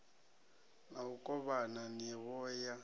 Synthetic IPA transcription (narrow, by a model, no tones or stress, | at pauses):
naukʼɔβananiɛβɔːja